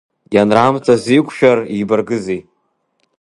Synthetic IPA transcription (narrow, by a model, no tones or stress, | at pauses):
janramtʰazʷikʷʰʼʃᶣaribarɡɨzej